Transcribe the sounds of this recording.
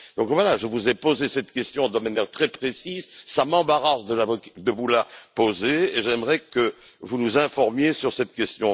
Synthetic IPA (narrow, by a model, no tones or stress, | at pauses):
d̪̥ɔ̃kvwalaʒəvuzɛpozesɛt̪kʲɛst̪jɔ̃d̪əmanjɛʁt̪χɛpχesizsamɑ̃baʁasd̪əlavd̪əvulapozeeʒɛmʁɛkə | vunuzɛ̃fɔʁmjesyʁsɛt̪kʲɛst̪jɔ̃